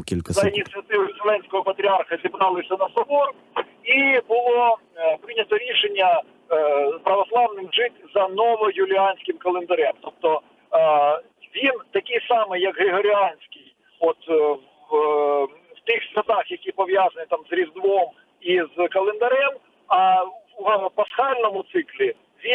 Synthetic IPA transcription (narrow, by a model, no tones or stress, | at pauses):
kʲilʲkɐzɐinʲit̪sɨjɐt̪ɪʋʊʊselˠɛnʲsʲkɔɦɔpɐt̪ɾʲiɑrxɐzʲibɾɑlˠɪsʲɐnɐsɔbɔr | ibʊlˠɔpɾɪnʲɐt̪ɔɾʲiʃenʲːɐ | pɾɐʋɔslˠɑʋnɪmʒɪtʲzɐnɔʋɔjʊlʲɪɑnʲsʲkɪmkɐlˠend̪ɐɾɛmt̪ɔp̚t̪ɔ | ʋʲint̪ɐkʲɪjsɑmɪjːɐkɦɾʲɪɦɔɾʲɪaɑnʲsʲkʲɪj | ɔt̪ | w̥t̪ɪxsʲɾʲɐt̪ɑxjɐkʲipɔʋʲjazɐnɪt̪ɑmzɾʲizd̪ʋɔm | izkɐlˠend̪ɐɾɛm | ɐ | pɐsxɑlʲnɔmʊt̪sɪklʲi | ʋʲi